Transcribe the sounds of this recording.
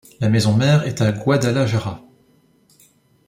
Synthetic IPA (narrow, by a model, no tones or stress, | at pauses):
lamezɔ̃mɛʁɛt̪aɡwad̪alaʒaʁa